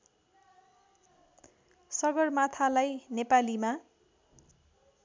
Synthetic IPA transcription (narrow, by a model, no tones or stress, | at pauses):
sʌɡʌrmat̪ʰalajnepalima